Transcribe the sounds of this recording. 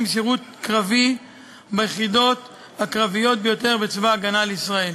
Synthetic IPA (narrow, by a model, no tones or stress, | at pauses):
mʃeʁut̪kʁavi | bajeχid̪o̞t̪ | hakʁavijo̞t̪̚bejo̞te̞ʁbet͡svaːɡanaleisʁae̞l